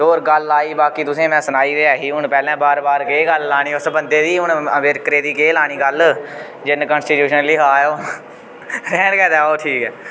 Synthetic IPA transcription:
oːɾɡəlaːiːbaːkiːt̪ʊsẽːmɛ̃ːsənaːiːɾeaːɦiːɦʊɳpɛːlɛ̃ːbaːɾbaːɾkeːɡəllaːɽ̃iːʊsbənd̪eːd̪iːʊnmeːɾkəɾeːd̪iːkeːlaːɳ̃iːɡəl | d͡ʒɪnkənsʈiːʈjuːʃənliːɦaːoː | ɾɛːnkɛːd̪aːoːʈʰiːkɛː

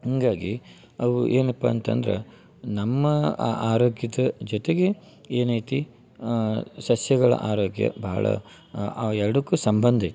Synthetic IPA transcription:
ɦɐŋɡaːɡi | ɐʋuʔeːnɐpːɐːnt̪ɐ̰nd̪ɾḛ | nɐmːɐaːɾoːɡjɐd̪ɐd͡ʒɔt̪eɡe̞ | eːnɐjt̪i | sɐsjɐɡɐɭɐ̰ʔaːɾoːɡjɐ̰bɐɦɐ̰ɭɐ̰ | ɛɾɐɽukːusɐmbɐnd̪ʱɐjt̪i̥

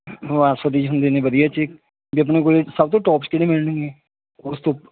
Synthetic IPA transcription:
ʋaːsəd̪iːd͡ʒɦʊnd̪eːnẽːʋəd̪ijaːt͡ʃɪk̚ | biːəp̬nẽːk̬oːlesəbt̪̬õːʈɔːpskɪɽẽːmɪlnẽːɡeː | ʊst̪õː

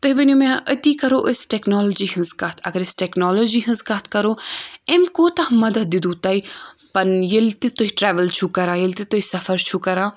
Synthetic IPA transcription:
t̪ɐɦʋɐnumãːʔət̪ikɐɾoːʔəsʈeknɔːlod͡ʒiːɦɐnzkɐt̪ʰɐ̰ɡɐɾɪsʈeknɔːloːd͡ʒiɦɐ̃nzkɐt̪̚ʰkɐɾoːemkoːt̪ɐɦmɐd̪ɐt̪̚d̪id̪ut̪ɐipɐnjəlt̪it̪oɦiʈɾɛːʋəlt͡ʃʰukɐɾãːjɐlt̪it̪oisɐfɐɾt͡ʃʰukɐɾãː

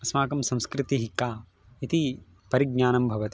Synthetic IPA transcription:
ɐsmaːkɐmsɐ̃mskɾɪt̪iɦikːaː | it̪i | pɐɾiɡ̚ɲaːnɐmbʱɐʋɐt̪i

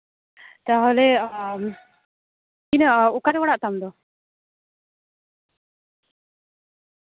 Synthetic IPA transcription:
t̪aɦɔlɛ | kinəukaɾɛwɔɽaʔt̪amd̪ɔ

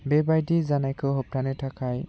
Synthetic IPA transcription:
bebajdizanajkʰɯɦɔp̚ɾanetʰakʰaj

